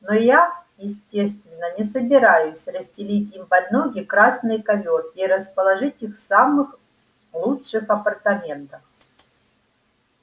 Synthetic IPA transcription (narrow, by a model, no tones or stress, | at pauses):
nojajɪsʲtʲe̞st̪vʲɪnːənʲɪsəbʲɪɾajʊsʲrəsʲtʲɪlʲitʲimpɐd̪ʲnoɡʲɪkɾasnɨjkɐvʲoriɾəspəlˠɐʐɨtʲixfsamɨx | lˠutʂɨxɐpərt̪ɐmʲe̞nt̪əx